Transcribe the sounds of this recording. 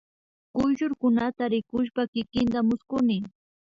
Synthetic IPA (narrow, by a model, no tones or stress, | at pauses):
kʊjʃʊɾkʊnat̪aɾɪkʊʃ̬pakɪkɪnt̪amʊskʊnɪ